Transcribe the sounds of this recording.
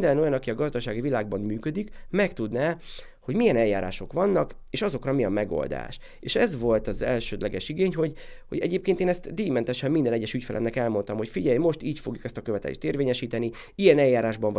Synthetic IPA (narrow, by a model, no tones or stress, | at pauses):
d̪ɛno̞jɒnɒkiɒɡɒzd̪ɒʃaːɡivilaːɡ̚bɒmmyːkød̪ikmɛkt̪ud̪naː | ho̞ɟmijɛnɛlːaːɾa̰ːʃo̞kʋɒnːɒkeːʃɒzo̞krɒmijɛmɛɡo̰ld̪a̰ːʃ | eːʃɛzʋo̞lt̪ɒzɛlʃøːd̪lɛɡɛʃiɡeːɲɦo̞ɟhoɟɛ̰ɟeːp̚keːnt̪eːnɛst̪d̪iːmɛnt̪ɛʃɛmmind̪ɛnɛɟːɛʃycfɛlʔɛ̰mnɛkɛlmo̞nt̪ɒmho̞cfiɟɛjmo̞ʃt̪iːcfo̞̰ɡjukɛst̪ɒkø̞vɛt̪ɛ̰lḛːʃt̪eːrveːɲɛʃiːt̪ɛni | ijɛnɛjːaːɾaːʒbɒɱv